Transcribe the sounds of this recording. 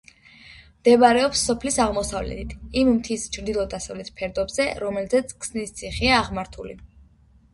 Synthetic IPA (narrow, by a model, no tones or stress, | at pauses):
md̪̥ɛbaɾɛɔpsːɔpʰlisaʁmɔsavlɛ̰t̪ʰit̪ʰimmt̪ʰist͡ʃʰɾd̪ilˠɔd̪asavlɛt̪ʰpʰɛɾd̪ɔbzɛɾɔmɛlzɛt̪sʰkʰsnist̪sʰiχiaːʁmaɾt̪ʰulḭ